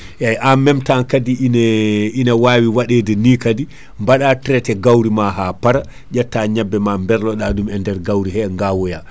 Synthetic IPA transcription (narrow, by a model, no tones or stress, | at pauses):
ʔɛjʔamːɛmtankadininawaːwiwaɗedɛniːkadi | mbaɗatɾɛtɛɡawɾimaɦapaɾa | ʄatːaɲabːɛmambɛɾlɔɗaɗumɛndɛɾɡawɾihɛŋɡawɔja